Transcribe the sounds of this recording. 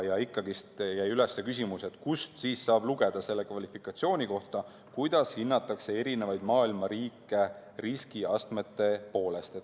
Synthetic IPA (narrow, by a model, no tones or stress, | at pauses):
jɑikːˑɑɡ̥ist̪jæjylesːekys̬ʲimuse̞t̪ˑkust̪siːsːɑːb̥luɡ̥e̞d̪̥ɑse̞lːe̞kvɑlifikˑɑt̪sio̞ːnʲiko̞ht̪ɑ | kujd̪̥ɑshinːɑt̪ːˑɑkse̞e̞ɾine̞vɑjd̪̥mɑːilmɑɾiːkːˑe̞riskiɑst̪me̞t̪ːe̞po̞ːle̞st̪et̪ː